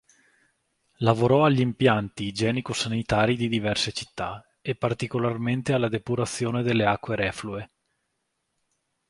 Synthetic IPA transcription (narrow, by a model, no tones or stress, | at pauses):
lavoɾɔaʎːimpjant̪id͡ʒɛːnikosanit̪aːɾid̪id̪ivɛrset͡ʃi̥t̪ːa | epart̪ikolarment̪ealːad̪epuɾat̪sːjoːned̪elːeakːweɾɛflue